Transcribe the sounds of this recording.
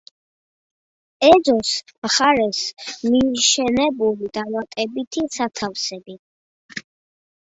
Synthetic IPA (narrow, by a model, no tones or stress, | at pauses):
ɛdzɔsmχaɾɛsmiʃɛnɛbulid̪̥amat̪ʼɛbit̪ʰisat̪ʰafsɛbi